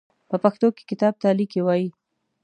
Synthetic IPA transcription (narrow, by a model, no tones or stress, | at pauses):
pəpaxt̪oke̥kɪt̪ɑb̚t̪alikewɑji